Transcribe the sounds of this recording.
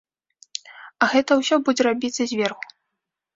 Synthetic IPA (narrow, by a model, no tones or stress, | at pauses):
ɐɣɛt̪ɐwsʲɔbud͡zʲɛɾabʲit̪sːɐzʲvʲɛrxu̥